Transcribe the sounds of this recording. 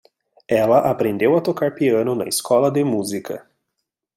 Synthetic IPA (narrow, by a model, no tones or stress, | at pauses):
ɛlɐʔapɾẽnd̪ewɐt̪okaɾpiɐ̃nʊnɐ̰iskɔlɐd̪ɪmuzikʰɐ̰